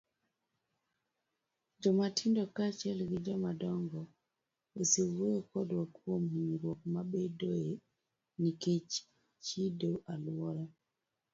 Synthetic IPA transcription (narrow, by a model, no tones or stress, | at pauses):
d͡ʒɔmatʰindɔkat͡ʃɛlɡid͡ʒɔmadɔŋɡɔ | wesiwekɔdwakuomiiɾwɔk̚maɓedoe | niket͡ʃi̥ | t͡ʃidoʔalwwɔɾa